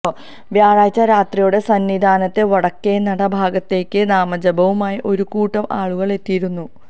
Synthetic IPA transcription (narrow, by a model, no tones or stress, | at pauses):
ʋjaːɻaːjt͡ɕːɐɾaːt̪rijuɽe̞sɐnʋid̪ʱaːnɐt̪ːeʋɐɽɐkːeːnɐɽɐbʱaːɡɐt̪ːe̞ːkʲːɨnaːmɐd͡ʑɐbɐʋumaːjiʔo̞ɾukuːʈːɐmʔaːɭuɣɐɭe̞t̪ːijiɾunːu